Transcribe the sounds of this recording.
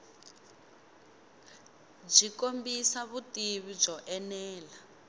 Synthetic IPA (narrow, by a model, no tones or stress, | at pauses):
b͡ʐikombisaβutiβib͡ʐɔʔɛnɛːla